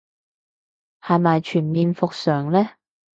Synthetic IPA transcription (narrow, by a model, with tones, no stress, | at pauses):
haː˨jmaː˨jt͡ʃʰyː˨˩nmiː˨˧nfʊ˨k̚sœː˨˩ŋlɛː˥